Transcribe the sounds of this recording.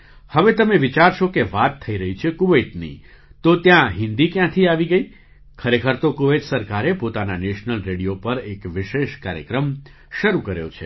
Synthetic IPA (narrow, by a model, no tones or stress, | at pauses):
həʋet̪əmeʋit͡ʃaɾʃokeʋat̪ʰːəiɾəɦit͡ʃʰekuʋet̪nḭ | t̪ot̪jãɦɪ̃nd̪ikjãt̪ʰiaʋiɡəi | kʰəɾekʰəɾt̪okuʋet̪səɾkaɾepot̪ananeʃnəlɾeɽijopəɾekʋɪʃeʃkaɾjə̰kɾəm | ʃəɾukəɾjo̰t͡ʃʰḛ